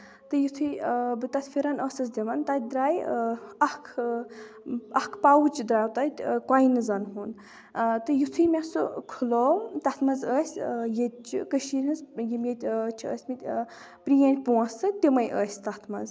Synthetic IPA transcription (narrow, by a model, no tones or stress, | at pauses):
t̪ɨjit̪ʰujbɨt̪ɐt̪ʰfʰʲiɾɐnəsɐs̬d̪ʲiʋɐnt̪at̪ʲd̪ɾaːjɐhkʰ | ɐhkʰpawt͡ʃid̪ɾaːwt̪at̪ʲkajnɨzɐnɦun | t̪ɨjit̪ʰujmɛsukʰulowt̪ɐt̪ʰmɐzəːsʲjet͡ʃikəʃiɾʲɐnzjimjet̪ʲt͡ʃʰiə̰ːsʲmit̪ʲ | pɾijɐnʲpuɐ̃sɨt̪ʲimɐjʔə̰ːsʲt̪at̪ʰmɐ̰z